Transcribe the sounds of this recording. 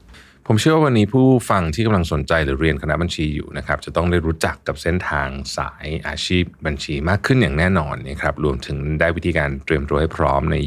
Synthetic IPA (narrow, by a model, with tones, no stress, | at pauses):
pʰo˩˦mʰɯ˥ɐwaː˥˩wa˧nːiː˦˥pʰuː˥˩fa˧ŋt̪ʰi˥˩ka˧mla˧ŋso˨˩˦nt͡ɕa˧jɾɯː˩˦ɾi˧ənkʰa˧na˦˥ba˧nt͡ɕʰiː˧jṵː˨˩na˦˥kʰɾa˦˥p̚t͡ɕa˨˩t̪ɔ˥˩ŋdaː˥˩jɾuː˦˥t͡ɕa˨˩kːa˨˩p̚se˥˩nt̪ʰaː˧ŋsa̰ː˩˦jʔa̰ː˧t͡ɕʰiː˥˩p̚ba˧nt͡ɕʰiː˧maː˥˩kʰːɯ˥˩njaː˨˩ŋnɛː˥˩nɔː˧nːa˦˥˩kʰɾa˦˥p̚ɾu˧əmt̪ʰɯ˩˦ŋdaː˥˩jwi˦˥t̪ʰiː˧kaː˧nt̪ɾi˧əmt̪ɾu˧ha˥˩jpʰɾɔː˦˥mna˧j